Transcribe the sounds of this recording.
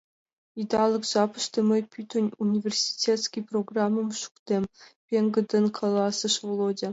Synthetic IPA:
id̪ɑlˠɤ̆kʒɑpɤ̆ʃt̪ɤ̆mʲɤ̆jpʲyt̪ʲŏnʲunʲivʲersʲi̥tʲet̪skʲijproɡrɑmːɤ̆mʃu̥kt̪ʲempʲeŋɡɤ̆d̪ɤ̆nkʰɑlˠɑsɤ̆ʃvlˠodʲĕ

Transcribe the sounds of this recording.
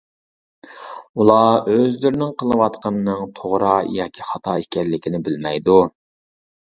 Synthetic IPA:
ulˠɑøzlyɾɪnɪŋqʰəlˠɨwɑt̪qʰɑnɨːɨŋt̪ʰoʁɾɑjɑ̰ːkʲʰiχɑt̪ʰɑekʲʰɛlːɪkʲʰinɪbɪlmɛjd̪u

